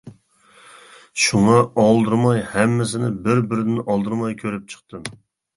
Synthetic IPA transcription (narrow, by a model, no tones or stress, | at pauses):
ʃuŋɑɑlˠd̪ɨɾmɑjhɛmːɪsɪnɪbɪɾbɪɾɪd̪ɪnʔɑlˠd̪ɨɾmɑjkʲʰøɾɪp̚t͡ʃʰə̥q̚t̪ɨm